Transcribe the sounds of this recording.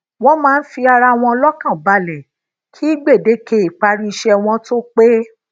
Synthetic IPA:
w̃ɔ̃˧mãː˦n̩˦fi˧a˧ɾa˧w̃ɔ̃˧lɔ˦kã˦˨ba˧lɛ˨ | kʰi˦i˦ɡ͡be˦˨de˨˦ke˧˨i˨k͡pa˧ɾi˧i˧ʃɛ˧w̃ɔ̃˧to˦k͡pe˦

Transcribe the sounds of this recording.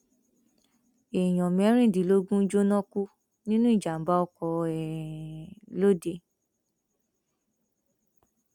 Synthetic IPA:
e˨j̃ɔ̃˨m˨ɛ˨˦ɾ̃ĩ˦˨di˨˦lo˦ɡũ˦d͡ʒo˦nɔ̃˦ku˦ | nĩ˦nũ˦i˦˨d͡ʒa˨m̩˨˦ba˦ɔ˧kɔ˧ɛ˨ | lo˦de˧

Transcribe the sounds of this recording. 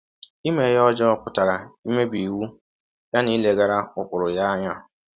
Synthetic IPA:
i˦me˨jɔ˦d͡ʒɔ˦ɔ˦pʊ˨ta˨ɾa˨i˦me˦bi˨wu˦ | ja˦ni˦le˦ɡa˦ɾa˦ʊ˨kʷʊ˨ɾʊ˨ja˦a˦ɲa˦

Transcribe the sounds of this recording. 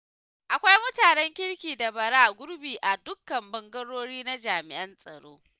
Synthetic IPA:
ʔa˨kʷa˦jmʊ˦taː˨nɛ˦ŋkʲɪ˦ɽkʲiː˨da˨bɐ˨ɽaː˦ɡʷʊ˦ɾbiː˨ʔa˨dʊ˦kːɐ˨mbɐ˨ŋɡɐ˦ɽoː˦ɽiː˦na˦d͡ʒaː˨mɪ˨ʔɐ˦nsʼɐ̰˨ɽo̰ː˦

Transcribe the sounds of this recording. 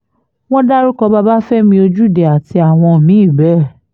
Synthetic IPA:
w̃ɔ̃˦da˦ɾu˦kɔ˧ba˦ba˦fɛ˦mĩ˧o˧d͡ʒu˦˨dɛ˨a˨ti˧a˨w̃ɔ̃˧˨mĩ˨˦i˦˨bɛ˦˨

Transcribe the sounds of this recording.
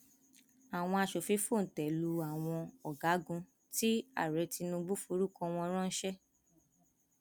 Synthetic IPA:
a˨w̃ɔ̃˧a˧ʃo˨fi˨˦fo˦˨n̩˨tɛ˨lu˧a˨w̃ɔ̃˧ɔ˨ɡa˨˦ɡũ˧ | ti˦a̰˦˨ɾɛ˨˦ti˧nũ˧ɡ͡bu˦fo˧˦ɾu˦kɔ̃˧w̃ɔ̃˧˦ɾ̃ɔ̃˦n̩˦ʃɛ˦

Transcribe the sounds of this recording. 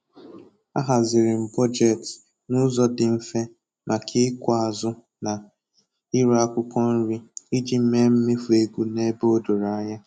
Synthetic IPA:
a̰˦ɦa˨zɪ˨ɾɪ˨m̩˨bɔ˦d͡ʒe˨t | nʊ˦zɔ˦dɪ˨m̩˦fe˦ | mʔa˨kʰɪ˦kʷa˦˨a˨zʊ˦ | na˨ | i˦ɾa˦kʷʊ˦kɔ˦n̩˦ɾi˦i˦d͡ʒi˦m̩˦me˦m̩˦mɪ˦fu˨e˦ɡu˦ne˦bo˦do˨ɾa˨˦ɲa˦

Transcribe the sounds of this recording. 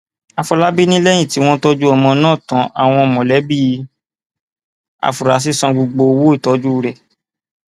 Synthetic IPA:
a˧fɔ˧la˦bi˦nĩ˦lɛ˦j̃ĩ˦˨ti˨˦w̃ɔ̃˦tɔ˦d͡ʒu˦ɔ˧mɔ̃˧nãː˦˨tã˨˦ʔa˨w̃ɔ̃˧ɔ˧˨mɔ̃˨lɛ˨˦bi˦˧ | a̰˧fu˨ɾa˨˦s̬i˦sɔ̃˧ɡ͡bo˧ɡ͡bo˧wo˦i˦˨tɔ˨˦d͡ʒu˦˨ɾɛ˨

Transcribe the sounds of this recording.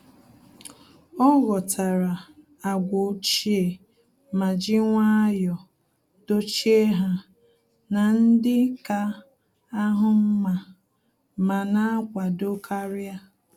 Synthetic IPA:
ɔ˦ɣɔ˨tʰa˨ɾa˨ | a˨ɡʷo˨˦t͡ʃi˦e˨ | ma˨d͡ʒɪ˦ŋʷa˦jɔ˨ | d̥o˦t͡ʃi˦e˦ɦa˦ | na˨n̩˦dɪ˦ka˦ | a˦ɦʊ˦m̩˦ma˨ | ma˨na˦a˦kʷa˨do˦kʰa˦ɾja˦

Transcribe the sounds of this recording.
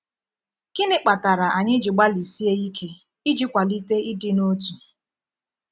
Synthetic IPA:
kɪ˦nɪ˦k͡pa˨ta˨ɾa˨ʔa˨ɲɪ˦d͡ʒɪ˨ɡ͡ba˦li˨si˦e˦i˦kʰe˦ | i˦d͡ʒi˦kʷa˨li˦te˦i˦dɪ˦no˦tu˨

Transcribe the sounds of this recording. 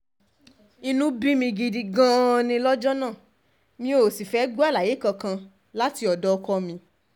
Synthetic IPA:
i˧nũ˦bi˦mĩ˧ɡi˧di˧ɡã˦˧nĩ˧lɔ˦d͡ʒɔ˦nã˦˨ | mĩ˧˦o˨si˨fɛ˨˦ɡ͡bu˦a˦˨la˨je˨˦kã˧kã˧ | la˦ti˧ɔ˨dɔ˦˧kɔ˧˦mĩ˧

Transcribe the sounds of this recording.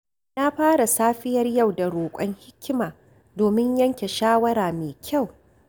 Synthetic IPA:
na˦ɸaː˦ɽa˨saː˦ɸɪ˦jɐ˦rja˦˨wda˨ɽoː˨kʷʼɔ˦ŋhɪ˦kʲːɪ˦maː˨ | doː˨mɪ˦ɲjɐ˦ŋkʲe˨ʃaː˦wɐ˦ɾaː˨meː˨kʲa˦˨w

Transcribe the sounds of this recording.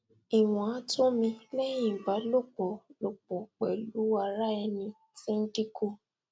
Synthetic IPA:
i˨w̃ɔ̃˨a˨˦to˦mĩ˧lɛ˦j̃ĩ˦˨ba˨˦lo˦˨k͡pɔ˨lo˨k͡pɔ˨k͡pɛ˨lu˨˦a˧ɾa˦ɛ˧nĩ˧ | tĩ˦n̩˦di˦ko˦

